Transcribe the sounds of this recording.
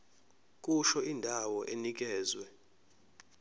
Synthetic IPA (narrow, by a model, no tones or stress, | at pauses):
k̬ʼuʃɔindʱawɔʔenik̬ɛːzwɛ